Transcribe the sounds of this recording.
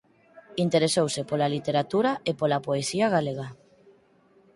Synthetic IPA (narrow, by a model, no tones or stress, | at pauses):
int̪eɾesowsepolalit̪eɾat̪uɾaepolapoesiaɣ̞aleɣa